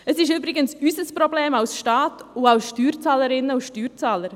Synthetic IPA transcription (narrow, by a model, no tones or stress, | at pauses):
əsɪʃybɾɪɡənsysəspɾɔbleːmawsʃtɑːtuɑʊsʃtyːɾt͡sɑːləɾɪnːəuʃtyːɾt͡sɑːləɾ